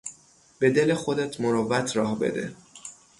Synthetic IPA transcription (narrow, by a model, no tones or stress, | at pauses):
b̥e̞d̪e̞lexo̞d̪et̪ʰmoɾovæt̪ʰɾɒːhbe̞̰d̪ḛ